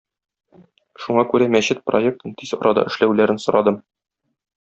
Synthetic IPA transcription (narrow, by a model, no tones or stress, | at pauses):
ʃuɴɑkʉɾæmæɕɘt̪̚proe̞k̚t̪ɤnt̪ʰizɒ̰ɾʔɑd̪ɑ̰ʔɘ̆ʃlæwlæɾɘnsŏɾɑd̪ɤm